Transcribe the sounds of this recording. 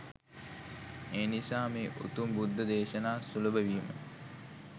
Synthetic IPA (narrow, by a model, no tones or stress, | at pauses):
eːnisaːmeːʔṵt̪umbud̪ʱːɐd̪eːʃɐnaːsulubəʋiːmə̰